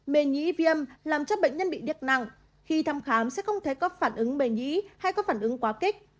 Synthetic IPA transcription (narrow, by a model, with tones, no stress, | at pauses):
ɓe˨˩ɲḭ˧˥vi˧ə˧mlaː˨˩mt͡ɕɔ˧ɓə̰˧˨jŋ̟ɲə˧nɓḭ˧˨ɗi˨˩ət̚na̰˧˨ŋ | xi˧t̪ʰaː˧mxaː˨˦msɛ̰˧˥xə˧wŋ͡mt̪ʰe˨˩˦kɔ˨˦faː˧˩nʔɨ˨˦ŋɓe˨˩ɲḭ˧˥ha˧jkɔ˨˦faː˧˩nʔɨ˨˦ŋkwaː˨˦kï˦˥k̟̚